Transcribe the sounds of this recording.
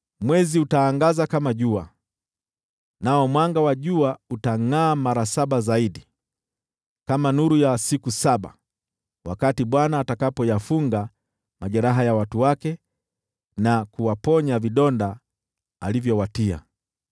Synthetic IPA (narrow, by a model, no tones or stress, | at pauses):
mwɛziutaːŋɡazakamaʄua | naɔmwaŋɡawaʄuautaŋaːmaɾasaɓazaiɗi | kamanuɾujasikusaɓa̰ | wakatiɓwanaːtakapɔjafuŋɡa | maʄɛɾaɦajawatuwakɛ | nakuwapɔɲaviɗɔnda | alivjɔwatia̰